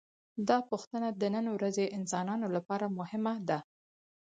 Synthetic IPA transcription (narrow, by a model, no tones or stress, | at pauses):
d̪ɑpuxt̪ənad̪ənənowɾazeʔɪnsɑnɑnolapɑɾamʊhɪmad̪a